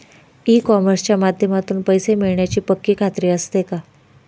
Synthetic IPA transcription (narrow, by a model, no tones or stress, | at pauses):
ikɔməɾst͡ɕjamad̪ʱjəmat̪uːnpəjsemiɭɳjat͡ɕiːpəkːiːkʰat̪ɾiːəst̪eka